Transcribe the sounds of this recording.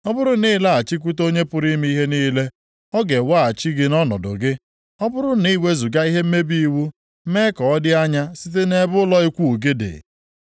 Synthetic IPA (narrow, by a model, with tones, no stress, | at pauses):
ɔ˦bʊ˦ɾʊ˦ni˦la˦a˨t͡ʃi˦k̬ʷu˦t̬o˦ɲe˦pʊ˦ɾi˦mi˦i˦ɦe˦niː˦le˦ | ɔ˦ɡe˨wa˦˨a˨t͡ʃi˦ɡɪ˦nɔ˦nɔ̰˨dʊ̰˨ɡɪ˦ | ɔ˦bʊ˦ɾʊ˦ni˦we˦zu˨ɡa˦i˦ɦe˦m̩˦me˦bi˦i˦wu˦ | me˦kɔ˨ɔ˦dɪ˦a˦ɲa˦si˦t̬e˦ne˦bʊ˦lɔ˦i˦kʷu˦˨u˨ɡe˦dḛ˨